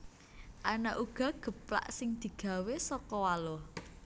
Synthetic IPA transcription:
ʔanaʔuɡ̥ɔ̤ɡ̥ə̤pla̰ʔsɪŋd̪̥i̤ɡ̥ä̤wesɔkɔwalʊh

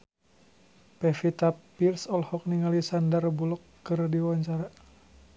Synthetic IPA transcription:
pɛfit̪apirsɔlhɔk̚niŋalisandərbulɔkːɨrdiwɔɲt͡ʃaɾa

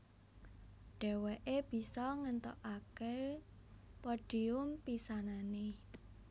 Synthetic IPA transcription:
ɖ̥ɛ̤wɛʔeb̥i̤sɔŋənt̪ɔ̰ʔake | pɔɖ̥i̤ʊmpisanane

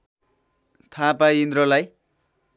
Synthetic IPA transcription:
t̪ʰapaind̪rʌlaj

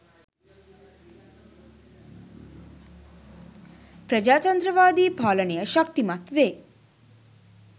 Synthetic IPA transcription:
pɾəd͡ʒaːt̪ənd̪ɾəʋaːd̪iːpaːləɳijəʃək̚t̪imat̪ʋeː

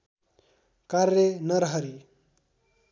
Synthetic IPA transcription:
karjenʌɾɦʌɾi

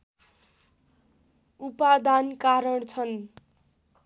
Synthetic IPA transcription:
upad̪ankaɾʌɽt͡sʰʌn

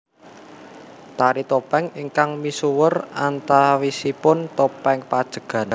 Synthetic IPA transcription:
t̪aɾit̪opɛŋiŋkaŋmisuwərant̪awisipʊnt̪opɛŋpad̥ʒ̥ə̤ɡ̥ä̤n

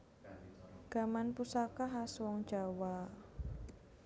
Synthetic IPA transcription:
ɡ̥a̤manpusakaɦaswɔŋ̥d͡ʒ̥a̤wa

